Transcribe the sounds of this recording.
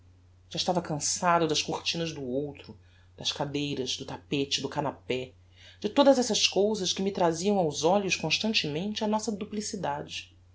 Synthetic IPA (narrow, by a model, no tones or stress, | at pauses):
ʒ̥aɪʃt̪avɐkɐ̃sad̪ʊd̪ɐʃkuχt͡ʃĩnɐzd̪ʊowt̪ɾʊ | d̪̥ɐʃkad̪ejɾɐzd̪ʊt̪apet͡ʃɪd̪ʊkanapɛ | d͡ʒɪt̪od̪ɐzɛsɐskowzɐʃkɪmɪt̪ɾaziɐ̃w̃awzɔʎʊʃkõʃt̪ɐ̃nt͡ʃɪmẽnt͡ʃɪɐnɔsɐd̪uplisid̪ad͡ʒɪ